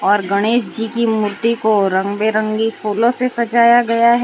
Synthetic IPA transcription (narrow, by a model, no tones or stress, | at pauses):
ɔːɾɡɐɽ̃eːʃd͡ʒikimʊɾt̪ikoɾɐ̃ŋɡbeɾə̃ŋɡifoːlõsesɐd͡ʒaːjaɡɐjaɦɛ